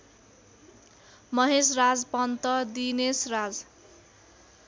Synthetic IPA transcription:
mʌɦesrad͡zpʌnt̪ʌd̪inesrad͡z

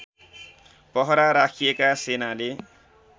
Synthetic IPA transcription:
pʌɦʌɾaɾakʰijekasenale

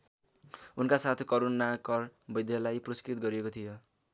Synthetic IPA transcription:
unkasat̪ʰkʌɾonakʌrbʌjd̪ʱjalajprʌskɾit̪ɡʌɾiekot̪ʰijo

